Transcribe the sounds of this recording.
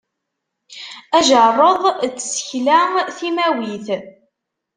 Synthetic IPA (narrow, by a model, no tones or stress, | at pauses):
æʒərˤəðˤt͡sːsə̥çlæθimæwiθ